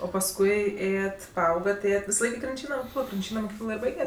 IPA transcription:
oː pɐsˈkʊɪ ˈeːjɛt pɐˈɐʊɡɐt ˈeːjɛt ʋʲɪsɐˈlˠɐɪk ɪ krʲɪnʲˈt͡ʃʲiːnɐ moːˈkʲiːklˠoː krʲɪnʲˈt͡ʃʲiːnɐ moːˈkʲiːklˠoː ɪr ˈbɐɪɡʲɛtʲ

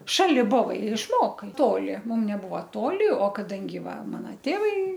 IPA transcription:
ˈʃɑːlʲɪ ˈboːʋɐɪ ɪr ɪʃˈmoːkɐɪ ˈtoːlʲɪ ˈmʊm nʲɛˈbʊʋɐ ˈtoːlʲɪ oː kɐˈdɐŋʲɡʲɪ ˈʋɐ ˈmɑːnɐ ˈtʲeːʋɐɪ

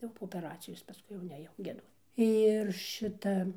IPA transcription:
jɛʊ poː oːpʲɛˈrɑːt͡sʲɪjoːs pɐskʊɪ jɛʊ nʲɛˈjɛʊ ɡʲiɛˈduɔt ɪr ˈʃʲɪtɐ

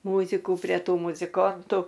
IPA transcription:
ˈmuːzʲɪkʊ pʲrʲɛ ˈtuː mʊzʲɪˈkoːntʊ

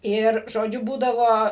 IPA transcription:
ɪr ʒoːˈd͡ʒʲʊ ˈbuːdɐʋoː

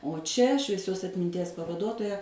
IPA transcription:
oː ˈt͡ʃʲɛ ʃʲʋʲiɛˈsʲoːs ɐtʲmʲɪnʲˈtʲiɛs pɐʋɐˈduɔtoːjɛ

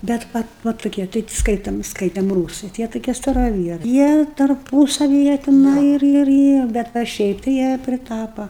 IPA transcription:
ˈbʲɛt ˈʋɐ ˈʋɐ tʊˈkʲiɛ tɐɪ ˈskɐɪtɐm ˈskɐɪtʲɛm ˈruːsɨɪ tʲɪ ˈjiɛ tʊˈkʲiɛ stɐrɐˈʋʲiɛrɐɪ ˈjiɛ tɐrˈpuːsɐʋʲɪ ˈjiɛ tʲɪˈnɐɪ ɪr ɪr ˈjiɛ ˈbʲɛt ʋɐ ˈʃʲɛɪp tɐɪ ˈjiɛ pʲrʲɪˈtɑːpɐ

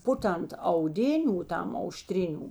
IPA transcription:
ˈpʊˌtɐnt ɐʊˈdʲɪnʲʊ ˈtɐm ɐʊˈʃʲtʲrʲɪnʲʊ

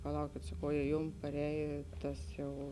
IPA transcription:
pɐˈlˠɐʊkʲeːt sɐˈkɐʊ jɛ ˈjʊm pɐˈrʲɛːjeː ˈtɐs jɛʊ

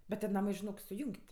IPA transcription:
bʲɛt tʲiɛ ˈnɑːmɜ ʒʲɪˈnoːk sʊˈjʊŋʲkʲtʲ

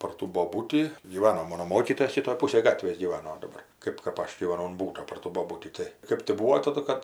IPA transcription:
pɐr ˈtuː boːˈbuːtʲiː ɡʲiːˈʋɑːnoː ˈmoːnoː ˈmoːkʲiːtoːjɛs ˈʃʲɪtoːj ˈpuːsɐj ˈɡɑːtʲʋʲeːs ɡʲiːˈʋɑːnoː dɐˈbɐr ˈkɜp kɐp ˈɐʃ ɡʲiːʋɐˈnɐʊ ʊn ˈbuːtoː pɐr ˈtuː boːˈbuːtʲiː ˈtɐɪ ˈkɜp tʲɪ ˈbuːʋoː ˈtɑːdʊ kɐt

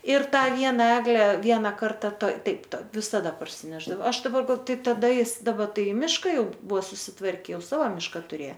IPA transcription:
ɪr ˈtɑː ˈʋʲiɛnɐ ˈæːɡlʲɛ ˈʋʲiɛnɐ ˈkɐrtɐ toːɪ ˈtɐɪp ˈtoːj ʋʲɪsɐˈdɐ pɐrʲsʲɪˈnʲæːʒdɐʋoː ˈɐʃ dɐˈbɐr ɡɐlˠ ˈtɐɪp tɐˈdɐ ˈjɪs dɐˈbɐ ˈtɐɪ ɪ ˈmʲɪʃkɐ ˈjɛʊ ˈbʊʋoː sʊsʲɪˈtʋɐrʲkʲɛ ˈjɛʊ ˈsɑːʋoː ˈmʲɪʃkɐ tʊˈrʲeː

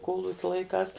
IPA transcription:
ˈkoːlˠʊkʲɛ lˠɐɪˈkɑːs

